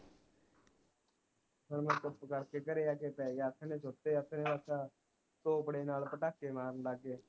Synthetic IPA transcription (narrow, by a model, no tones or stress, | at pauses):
səɾmənt̪ʊpːkəɽkekəɾeːaːkeːpɛːɡət̪ʰnẽːt͡ʃʰot̪ːeːət̪ʰːnẽʋəsaː | t̪oːpəɽeːnaːlpəʈaːkːemaːɾnlaɡːeː